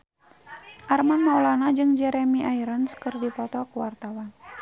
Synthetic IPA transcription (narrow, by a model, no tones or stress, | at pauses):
ʔarmanmaulanad͡ʒɨŋd͡ʒɛɾɛmiʔaiɾənskɨrdipɔt̪ɔkəwart̪awan